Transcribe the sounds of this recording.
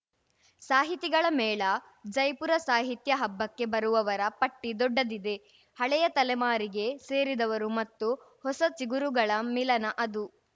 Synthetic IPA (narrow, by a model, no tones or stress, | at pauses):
saːɦit̪iɡɐɭɐmɛːɭɐ | d͡ʒɐjpuɾɐsaːɦit̪jɐɦɐbːɐkːe̞bɐɾuʋɐʋɐɾɐpɐʈːid̪ɔɖːɐd̪id̪e̞ | hɐɭɛjɐt̪ɐlɛmaːɾiɡe̞se̞ːɾid̪ɐʋɐɾumɐt̪ːu | hɔsɐt͡ʃiɡuɾuɡɐɭɐmilɐnɐʔɐd̪u